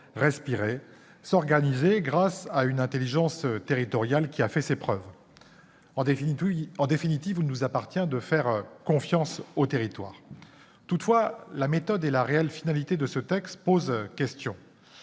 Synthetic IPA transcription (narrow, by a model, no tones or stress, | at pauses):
ʁɛspiʁe | sɔʁɡanizeɡʁasaynɛ̃t̪eliʒɑ̃st̪eʁit̪ɔʁjalkʲiafɛsepχœṽ | ɑ̃d̪efinit̪ivilnuzapaʁt̪jɛ̃d̪əfɛʁkɔ̃fjɑ̃sot̪eʁit̪wa̰ːʁ | t̪ut̪fwalamet̪ɔd̪elaʁeɛlfinalit̪ed̪əsət̪ɛkst̪pozkʲɛst̪jɔ̃